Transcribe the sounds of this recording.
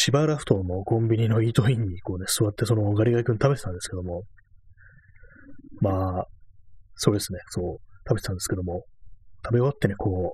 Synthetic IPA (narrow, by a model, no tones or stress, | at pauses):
ɕibaːɾaɸɯ̥t̪o̞mo̞kõ̞mbʲiɲ̟ino̞iːt̪o̞ĩɲ̟ːiko̞ːne̞sɨβat̪ːe̞so̞no̞ɡaɾʲiɡaikɯ̟nt̪abe̞t̪ãnd̪e̞sɨ̥ke̞d̪o̞mo̞ | maː | so̞ːd̪e̞sɨne̞so̞ːt̪abe̞tet̪ãnd̪sɨ̥ked̪o̞mo̞t̪ʰabeot̪ːe̞ne̞koː